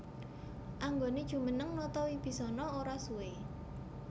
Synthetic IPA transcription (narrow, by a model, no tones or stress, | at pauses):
ʔaŋɡoned̥ʒ̥ṳmənəŋnɔt̪ɔwib̥i̤sɔnɔoɾasue